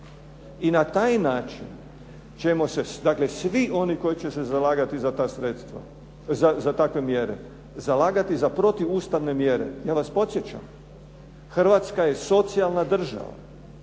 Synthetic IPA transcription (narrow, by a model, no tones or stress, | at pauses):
inat̪aːjnaːt͡ʃḭn | t͡ʃe̞mo̞se̞d̪akle̞sʋiʔo̞niko̞jit͡ɕese̞zalaːɡat̪izat̪asɾet̪st̪ʋa̰ | zazat̪akʋe̞mjeɾe̞̰ | zalaːɡat̪izapɾo̞t̪iuːst̪aʋne̞mjeɾḛjaːʋaspot̪sje̞t͡ɕa̰m | xr̩ʋaːt̪skaje̞so̞t̪sialˠnad̪r̩ʒa̰ʋa̰